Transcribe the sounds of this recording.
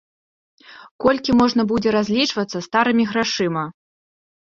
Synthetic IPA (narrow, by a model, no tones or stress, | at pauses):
kɔlʲkʲimɔʐnɐbud͡zʲɛɾazʲlʲit͡ʂvɐt̪sːɐst̪aɾɨmʲiɣɾaʂɨmɐ